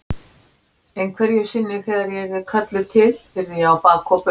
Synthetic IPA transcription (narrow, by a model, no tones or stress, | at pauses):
ejnkʰvɛɾjʏsɪnːɪθɛːɣðaɾjɛɾɪðkʰat̪lʏt̪ʰɪlɪɾðiawpaːkʰɔpʏ